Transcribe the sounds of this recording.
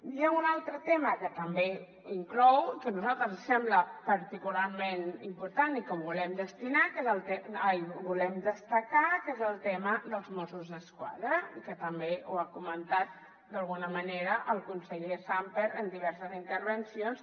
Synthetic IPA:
iaunalˠt̪ɾət̪eməkət̪əmbe | iŋklɔwkənuzalˠt̪ɾəssɛmbləpəɾt̪ikulaɾmenimpuɾt̪anikɔmbulɛmd̪əst̪inakezəlˠt̪ɛjβulɛmd̪əst̪əkakezəlˠt̪ɛməd̪əlˠzmɔsuzðəskwa̰ðɾəikət̪əmbeuakumənt̪at̪̚ | d̪əlˠɣ̞unəməneɾəʔəlˠkunsəʎesampeɾənd̪iβ̞ɛɾsəzint̪əɾβənsions

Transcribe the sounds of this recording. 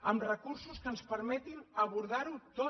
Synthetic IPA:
əmrəkuɾsuskənspəɾmɛt̪inəβuɾðaɾut̪o

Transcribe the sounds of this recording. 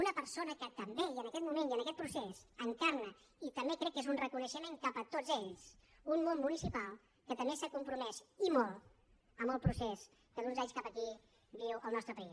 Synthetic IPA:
unəpəɾsonəkət̪əmbeənəkɛt̪mumẽniənəkɛt̪̚pɾusesəŋkarnə | it̪əmbekɾɛkːezunrəkunəʃəmeŋkapət̪od͡zeʎs | umːommunisipalˠ | kət̪əmbesakumpɾumɛsimɔlˠ | əməlˠpɾusɛs | kəd̪unzaɲskapəki | biwʔəlˠnɔst̪ɾəpəis

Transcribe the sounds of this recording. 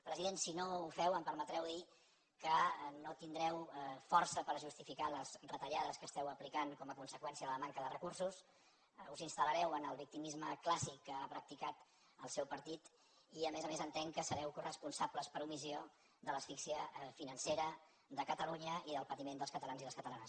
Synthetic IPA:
pɾəziðensinoufɛwəmpəɾmət̪ɾɛwði | kənot̪ind̪ɾɛwfɔrsəpəɾʒust̪ifikaləz̥rət̪əʎaðəskəst̪ɛwəplikaŋkɔməkunsəkwɛnsiəðələmaŋkəðərəkursus | uzinst̪ələɾɛwənəlˠβik̚t̪imizməklasikːəapɾək̚t̪ikat̪ | əlˠsɛwpəɾt̪it̪ | iəmezəmezənt̪ɛŋkəsəɾɛwkurəspunsapləspəɾumizio | ðələsfiksiəfinənseɾə | ðəkət̪əluɲəiðəlˠpət̪imend̪əlˠskət̪əlanziðəlskət̪əlanəs

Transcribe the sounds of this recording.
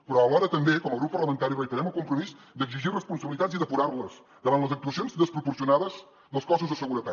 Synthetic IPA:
pɾɔəlɔɾət̪əmbekɔməlˠɣɾupːpərləmənt̪aɾiβəjt̪əɾɛməlˠkumpɾumiz | d̪əɡziʒirəspunsəβilit̪aziðəpuɾarləz | d̪əβanləzək̚t̪uəsionzd̪əspɾupuɾsiunaðəz̥ | d̪əlˠskɔsuzðəsəɣuɾət̪at̪

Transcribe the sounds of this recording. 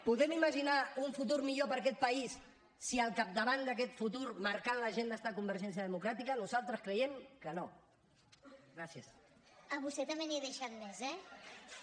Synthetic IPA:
puðɛmiməʒinauɱfut̪̬uɾmiʎopəɾkɛt̪̚pəisː | iəlˠkap̚d̪əβand̪əkɛt̪fut̪uɾməɾkanləʒend̪ɛst̪akumbəɾʒɛnsjəðəmukɾat̪ikənuzalˠt̪ɾəskɾəjɛmkəno | ɡɾasiəs | əβust̪ɛt̪ɐmbeniðəʃat̪̚mɛzɛ

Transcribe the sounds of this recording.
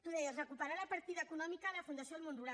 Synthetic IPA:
t̪uðɛjəsrəkupəɾalapəɾt̪iðaekunɔmikaðəlafund̪asjoəlmonruɾa

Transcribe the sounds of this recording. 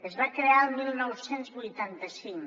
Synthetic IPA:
ezβakɾealmilˠnɔwsenzβujt̪ant̪asiŋ

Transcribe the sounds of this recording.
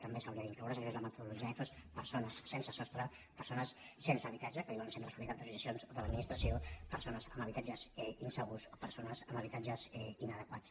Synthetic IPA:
t̪əmbesawɾiəðiŋklowɾas̬aʃezləmət̪uðuluʒiɛθospəɾsonəsːensəsɔst̪ɾə | pəɾsonəsːensəβit̪ad͡ʒəkəβiβansent̪ɾəfulit̪at̪̚d̪əsusisionzoðələd̪̚minist̪ɾəsiopəɾsonəzəməβit̪ad͡ʒəzɛinsəɣusopəɾsonəzəməβit̪ad͡ʒəzɛinəðəkwat͡s

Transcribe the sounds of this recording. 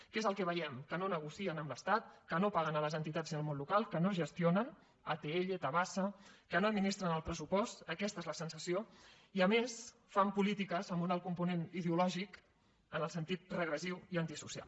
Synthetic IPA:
kezəlˠkɛβəjɛmkənonəɣusiənəmləst̪at̪̚kənopaɣənələzənt̪it̪ad͡ziəlˠmonlukalˠkənoʒəst̪ionən | at̪eeʎət̪əβasəkənoəd̪minist̪ɾənəlˠpɾəsupɔst̪əkɛst̪əezləsənsəsio | iəmes | fampulit̪ikəzəmbunalˠkumpuneniðeulɔʒik | ənəlˠsənt̪it̪̚rəɣɾəsiwiənt̪isusia̰lˠ

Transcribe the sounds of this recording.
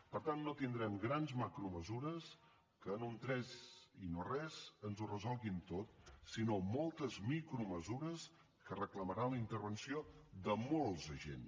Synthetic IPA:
pəɾt̪anːot̪ind̪ɾɛmɡɾanzmakɾuməzuɾəs | kəːnunt̪ɾɛzinorɛzənzurəzɔlˠɣint̪ot̪sinomolˠt̪əzmikɾuməzuɾəs | kərəkləməɾaləint̪əɾβənsioðəmolˠzəʒḛn

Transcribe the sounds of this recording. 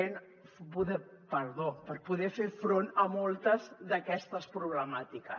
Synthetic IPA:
en | puðɛ | pəɾðopəɾpuðɛfefɾonəmolˠt̪əzðəkɛst̪əspɾuβləmat̪ikə

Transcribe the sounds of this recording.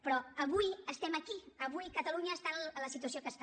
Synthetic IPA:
pɾɔəβujəst̪ɛməkiəβujkət̪əluɲəːst̪aləsit̪uəs̬jokəst̪

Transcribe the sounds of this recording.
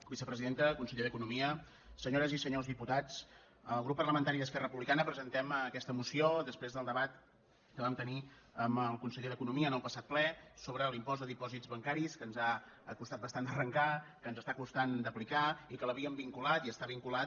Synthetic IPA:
bisəpɾəziðent̪əkunsəʎeðəkunumiə | səɲoɾəzisəɲozðiput̪at͡s | əlˠɣɾupːərləmənt̪aɾiðəskɛrəəpuβlikanəpɾəzənt̪ɛmkɛst̪əmusiod̪əspɾezðəlˠd̪əβat̪ | kəβamt̪əni | əməlˠkunsəʎeðəkunumiəːnəlˠpəsat̪̚plɛsoβɾəlimpɔzd̪əðipɔzid͡zβəŋkaɾiskənzaəkust̪at̪̚bəst̪and̪ərəŋkakənzəst̪akust̪and̪əplikaikələβiəmbiŋkulat̪iəst̪aβiŋkulat̪

